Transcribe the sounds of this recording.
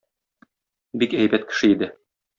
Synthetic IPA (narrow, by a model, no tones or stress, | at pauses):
bikæjbæt̪kɘ̥̆ʃɘid̪ɘ